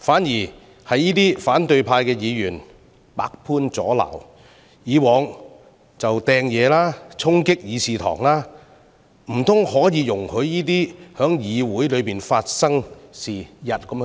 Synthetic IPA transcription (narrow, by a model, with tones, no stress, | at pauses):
faː˨˥njiː˨˩ | hɐ˨jːiː˥t̪iː˥faː˨˥nt̪ɵ˧ɥpʰaː˧jkɛː˧jiː˨˧jyː˨˩n | pa̰ː˧k̚pʰuː˥nt͡sɔː˨˥la̰ː˨˩w | jiː˨˧wɔː˨˧ŋ | t͡sɐ˨wt̪ɛː˧ŋjɛː˨˧laː˥t͡sʰʊ˥ŋkɪ˥k̚jiː˨˧siː˨t̪ʰɔ̰ː˨˩ŋlaː˥ | m̩˨˩t̪ʰʊ˥ŋhɔː˨˥jiː˨˧jʊ˨˩ŋhɵ˨˧ɥːiː˥t̪̬iː˥hœː˨˥ŋjiː˨˧wuː˨˥jlɵ˨˧ɥpiː˨nfaː˧t̚sɐ˥ŋsiː˨˩jɐ˨t̚kɐ˨˥m